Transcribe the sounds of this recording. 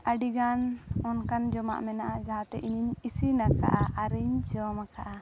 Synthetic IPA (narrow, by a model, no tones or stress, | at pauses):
ʔaɖiɡanɔnkand͡ʒɔma̰ʔmɛnaʔad͡ʒaɦãt̪ɛʔiɲiɲisinaɾka̰ʔaʔaɾiɲt͡ʃɔmakaʔa